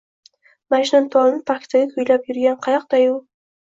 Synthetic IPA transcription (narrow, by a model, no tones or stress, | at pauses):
maʃɪnant̪ʰɒlnpʰakʲt̪aɡʲakʲʰʊjlapjʊɾɡʲanqʰɑjɑq̚d̪aju